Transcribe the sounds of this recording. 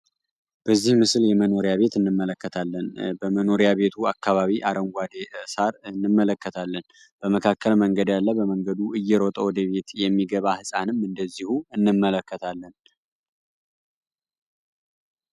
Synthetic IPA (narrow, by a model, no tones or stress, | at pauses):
b̥əzːihmɨsɨljɛməno̞ɾjaβe̞t̪ɨnːɨmːələkːət̪ʰalːənbəməno̞ɾjaβe̞t̪ʰuakːaβaβiʔaɾəŋɡʷad̪esaɾɨnːɨmːələkːət̪ʰalːən | b̥əməkʰakʰːəlməŋɡəd̪jalːəbəməŋɡəd̪uɨjːɛɾot̪ʼəwɔd̪əβe̞t̪jɛmːiɡəβahɨsʼanɨmɨnd̪əzːihuɨnːɨmːələkːət̪ʰalːən